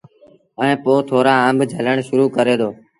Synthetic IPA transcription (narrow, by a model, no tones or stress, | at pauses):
əẽːpoːt̪ʰoːɾãːəmbʱd͡ʒʱələɳʃʊɾuːkəɾeːd̪oː